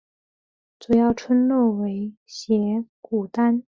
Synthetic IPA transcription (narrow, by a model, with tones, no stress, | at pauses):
t͡su˨˩jɑ˥˩ʊʈ͡ʂʰwə˥nlɔ˥˩we˧˥ɪɕjɛ˧˥ku˨˩t̪a˥n